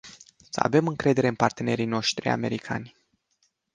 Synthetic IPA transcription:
səa̰ve̞mɨŋkɾe̞d̪e̞ɾe̞ɨnpart̪e̞ne̞ɾijno̞ʃt̪ɾia̰me̞ɾikʰa̰nʲ

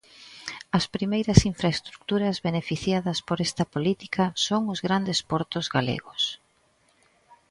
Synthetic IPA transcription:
ɐspɾimejɾɐsiɱfɾaest̪ɾuk̚t̪uɾɐzβenefiθjaðɐspoɾest̪ɐpolit̪i̥kʰɐsoŋʊzɣɾand̪espɔɾt̪ʊzɣalḛɣʊs

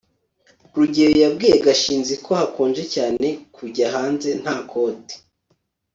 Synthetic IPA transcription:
ɾuɟeɾojab̚ɡiːjeɡaʃiːnzikʰo̞hakʰoːnd͡ʒe̞caːne̞kʰuɟaɦaːnze̞n̥haːkʰo̞ːti̥

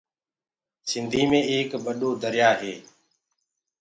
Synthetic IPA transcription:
sɪnd̪ʱiːmẽːeːkɓəɗoːd̪əɾɪjaːɦeː

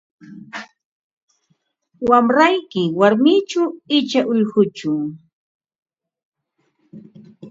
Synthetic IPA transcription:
wamɾajkɪwaɾmɪt͡ʃaɪt͡ʃaʔʊʎɢʊt͡ʃʊ

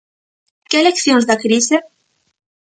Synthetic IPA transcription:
keelekθjõŋzðakɾise

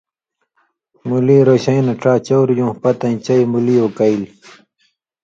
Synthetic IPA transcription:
muliːɾoɕɐinɐʈ͡ʂaːt͡ɕɐwɾjũːhpɐt̪ɐĩt͡ɕɐjmuliːokail

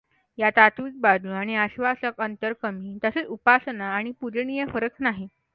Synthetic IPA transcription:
jat̪at̪ʋik̚bad̪ʱuaɽ̃iəɕʋasəkənt̪əɾkəmiːt̪əset͡supasənaːɽ̃ipuɾɳijəfəɾəknaɦi

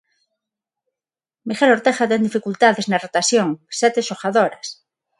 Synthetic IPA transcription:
mixeloɾt̪exat̪end̪ifikult̪aðeznarot̪asjoŋsɛt̪eʃoxaðoɾas

